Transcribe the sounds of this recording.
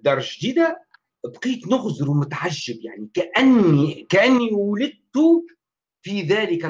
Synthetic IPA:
d̪ɑɾˤʒd̪iːd̪a | bqiːt̪nʊɣzɪɾwmʊt̪ʕaʒːɪbjaʕnikaʔanːikaʔɪnːiwʊlɪd̪̚t̪u | fiðæːlɪkæ

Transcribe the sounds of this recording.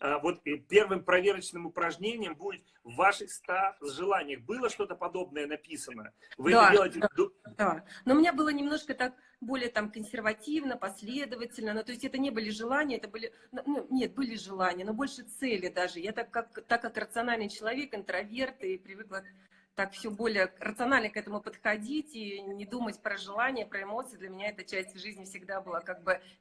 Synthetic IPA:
avo̞t̪pʲe̞rvɨmpɾɐvʲeɾət͡ɕnɨmʊpɾɐʐnʲenʲɪjəmbudʲɪt̪̚ | vːaʂɨxst̪azʐɨlˠanʲɪjəxbɨlˠəʂt̪o̞t̪əpɐd̪o̞b̚nəjənɐpʲisənə̰ | vɨɛd̪aelˠətʲɪd̪d̪anomʲɪnʲabɨlˠənʲɪmnoʂkət̪ak̚ | bo̞lʲɪjət̪amkənsʲɪrvɐtʲivnəpɐsʲlʲe̞d̪əvətʲɪlʲnənot̪o̞ɪsʲtʲɛt̪ənʲe̞bɨlʲɪʐɨlˠanʲɪjəɛt̪əbɨlʲɪ | nununʲe̞t̪̚bɨlʲɪʐɨlˠanʲɪjənobo̞lʲʂɨt̪sɛlʲɪd̪aʐɨjat̪akːakt̪akːakrət̪sɨɐnalʲnɨjt͡ɕɪlˠɐvʲe̞kɪnt̪ɾɐvʲe̞rt̪ipɾʲɪvɨklˠə | t̪akfsʲobo̞lʲɪjərət̪sɨɐnalʲnəkɛt̪əmʊpət̪xɐdʲitʲinʲɪd̪umətʲpɾəʐɨlˠanʲɪjəpɾəɪmo̞t̪sɨjd̪lʲɐmʲɪnʲaɛt̪ət͡ɕæsʲtʲvʐɨzʲnʲɪfsʲɪɡd̪abɨlˠakaɡ̚bɨ

